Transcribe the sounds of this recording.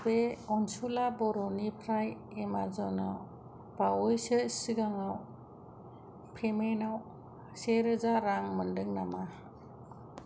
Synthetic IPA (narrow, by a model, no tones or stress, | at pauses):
beɔnsulabɔɾɔnipʰɾajemazɔnaw | b̥awɔjsɯsiɡaŋaw | pʰemenaw | seɾɯzaɾaŋmɯndɯŋnama